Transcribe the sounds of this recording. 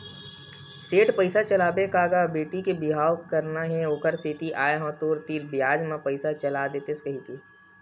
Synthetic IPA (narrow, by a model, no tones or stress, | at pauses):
seːʈpəɪsat͡ʃɐlaːbekaːɡabeːʈikebɪɦaːwkɐɾnaɦɛokəɾset̪iʔaːeɦɔ̃ːt̪oːɾt̪iːɾbjaːd͡ʒmãpəɪsat͡ʃɐlad̪eːt̪eskəɦik̪iː